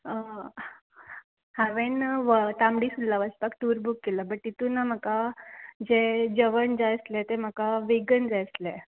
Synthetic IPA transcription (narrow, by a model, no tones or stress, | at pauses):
haʋenʋət̪amɽisud̪laʋəspak̚t̪uɾbʱukːelabəʈ̚ːit̪unːam̤akad͡zed͡ʑəʋənd͡zajslɛt̪em̤akaʋeɡənd͡zajslɛ